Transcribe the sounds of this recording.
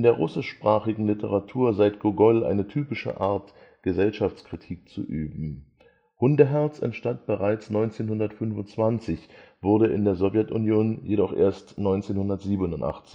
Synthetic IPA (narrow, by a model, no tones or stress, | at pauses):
ʔʔɪndeːɐʁʊsɪʃʃpʁ̥aːχɪɡŋ̩lɪtʰəʁ̞atʰuːɐzaɪtɡ̥oɡɔlʔa̰ɪnətʰyːpɪʃə̰ʔaɐt | ɡ̥əzɛlʃaft͡skʁ̥itʰiːk̚t͡sṵʔyːbm̩ | hʊndəɦɛɐt͡sɛ̰ntʃtant̚b̥əʁaɪt͡snɔʏnt͡seːnhʊndɐtfʏnvʊnt͡sv̥ant͡sɪçv̥ʊɐɾəʔɪ̰ndeːɐzɔvjɛtunjoːnjedɔχʔḛːɐstnɔʏnt͡seːnhʊndɐtz̥iːbənʊntʔa̰χt͡sɪ̥ç